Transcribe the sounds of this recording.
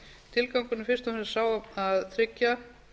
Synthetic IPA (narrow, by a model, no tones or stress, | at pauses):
t̪ʰɪlkawŋkʏnʏfɪr̥st̪amhsaːwaaðθɾɪcːa